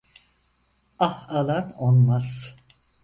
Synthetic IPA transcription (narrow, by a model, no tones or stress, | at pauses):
ahalˠanonmaz̥